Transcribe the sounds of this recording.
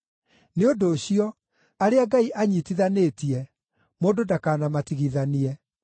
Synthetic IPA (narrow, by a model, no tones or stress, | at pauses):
neondoːɕiɔ | aɾeaɡaiʔaɲiːtiðaneːtiɛ | moːdodakaːnamatiɣiðaniɛ